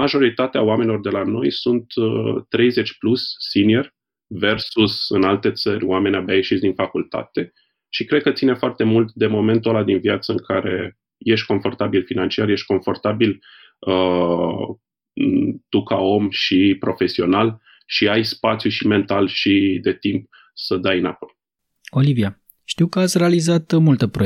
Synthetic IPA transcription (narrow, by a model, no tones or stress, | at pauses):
maʒo̞ɾit̪at̪eaoame̞nilo̞rd̪e̞lano̞̰jsunt̪ːɾe̞jze̞t͡ʃʲplusːinierʲ | ve̞rsusɨnalt̪e̞t̪səɾʲoame̞nʲabajeʃit̪sd̪infakult̪a̰t̪e̞ | ʃikɾe̞d̪̚kət̪sinefoart̪e̞mult̪d̪e̞mo̞me̞nt̪o̞lad̪invjat̪səɨŋkʰaɾe̞ | je̞ʃt̪̚ʲko̞ɱfo̞rt̪abilfinant͡ʃiarje̞ʃt̪̚ʲko̞ɱfo̞rt̪abil | ə | t̪ukao̞mʃipɾo̞fe̞sio̞nal | ʃiajspat̪sjuʃime̞nt̪alʃid̪e̞t̪imp | səd̪ajɨnapoj | o̞livia | ʃt̪iwkəat̪sʲrealizat̪mult̪əpɾo